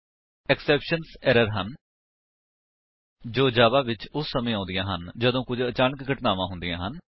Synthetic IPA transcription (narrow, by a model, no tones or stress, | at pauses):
ɛksɛːpʃənsɛːɾəɾɦən | d͡ʒoːd͡ʒaːʋaːʋɪt͡ʃʊsːəmẽːãːnd̪ɪjãːɦənd͡ʒəd̪õːkʊd͡ʒət͡ʃaːnəkɡʱəʈnaːʋãːɦʊnd̪ɪijãːɦən